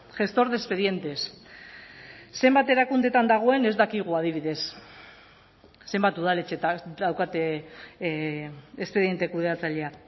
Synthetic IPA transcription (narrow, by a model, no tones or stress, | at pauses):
ʝe̞st̪o̞ɾðespe̞ðie̞nt̪e̞s | e̞mbat̪e̞ɾakund̪e̞t̪and̪aɣ̞o̞e̞ne̞zd̪akiɣ̞uaðiβ̞iðe̞s | embat̪uð̞ale̞t͡ʃe̞t̪ad̪awkat̪e | espe̞ðie̞nt̪e̞kuðeat͡saʎe̞a